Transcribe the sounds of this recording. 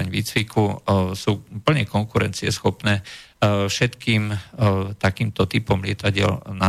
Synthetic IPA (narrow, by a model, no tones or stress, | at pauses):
aɲʋiːt͡sʋikʰusuːpl̩ɲɛkɔŋkuɾɛnt͡siɛsxɔpnɛːfʃɛt̪kiːmt̪akiːmt̪ɔt̪ipɔmlɪɛt̪aɟɪɛ̰lna